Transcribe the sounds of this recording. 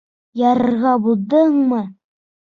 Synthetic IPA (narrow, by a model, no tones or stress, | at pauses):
jɑɾɤ̆ɾʁɑbulˠd̪ɤɴmɤ